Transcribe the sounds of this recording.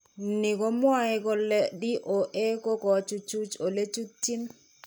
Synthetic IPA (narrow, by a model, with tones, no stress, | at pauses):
ni˨kɔ˦mwa˨e˨kɔ˨lɛ˦di˦ʔo˨ʔe˦ko˦kɔ˨˦t͡ʃu˦t͡ʃu˦t͡ʃo˨le˦t͡ʃu˦tːi˦n